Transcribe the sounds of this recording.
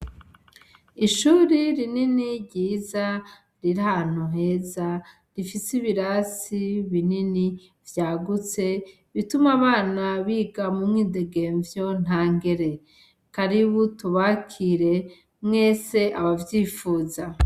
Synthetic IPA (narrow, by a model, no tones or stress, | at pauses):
iʃuɾiɾininiɾɟiːza | ɾiɾan̥uɦe̞za | ɾifisiβiɾasiβinini | vjaːɡut͡se̞ | βitumaβaːnaβiɡamumŋiːde̞ɡe̞ːɱvjo̞n̥aːŋɡe̞ɾe̞ | kaɾiβutuβakʰiɾe̞ | mŋe̞ːse̞ʔaβavjiːfuːza